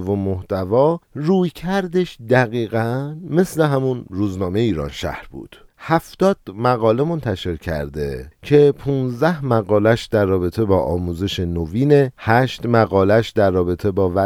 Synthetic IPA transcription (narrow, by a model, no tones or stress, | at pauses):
vomːoht̪ævɒːruːjcʰæɾd̪e̞ʃd̪æɣiːɣænme̞sle̞ɦæmunɾuːznɒːmejeiːɾɒ̰ːnʃæ̰hɾbṵːd̪̥ | hæft̪ɒːd̪̥mæɣɒːle̞mo̞nt̪ʰæʃe̞ɾcʰæ̰ɾd̪e̞cʰe̞pʰunzd̪æhmæɣɒːlæʃd̪æɾːɒːbe̞t̪ʰe̞bɒːʔɒːmuːze̞ʃenoviːnehæʃt̪mæɣɒːlæʃd̪æɾːɒːbe̞t̪ʰe̞bɒːvæ